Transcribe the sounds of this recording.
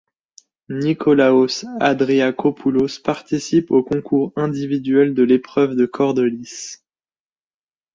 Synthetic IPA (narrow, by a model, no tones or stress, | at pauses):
nikʰɔlaosa̰d̪ʁeakʰɔpʰulospaʁt̪isipokɔ̃kuʁɛ̃d̪ivid̪ɥɛld̪əlepχœvd̪əkʰɔʁd̪ɔlis